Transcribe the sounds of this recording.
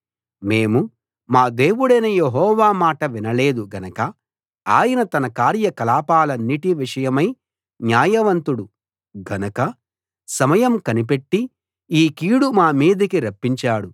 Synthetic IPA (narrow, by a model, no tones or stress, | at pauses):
me̞ːmu | maːd̪e̞ːʋuɽɐjnɐjeɦɔːʋaːmaːʈɐʋinɐle̞ːd̪uɡɐnɐkɐ | aːjɐnɐt̪ɐnɐkaːɾjɐkɐlaːpaːlɐnːiʈiʋiʂɐjɐmɐj | njaːjɐʋɐnt̪uɽu | ɡɐnɐkɐ | sɐmɐjɐmkɐnip̬eʈːi | iːkiːɽumaːmiːd̪ɐkiɾɐpːiɲt͡ʃaːɽu